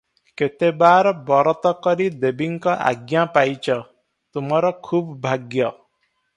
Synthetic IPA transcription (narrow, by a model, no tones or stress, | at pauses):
ket̪ebaɾɔbɔɾɔt̪ɔkɔɾid̪ebiŋkɔʔa̰ɡjapajt͡ʃʰɔ | t̪umɔɾɔkʰubːʱaɡjɔ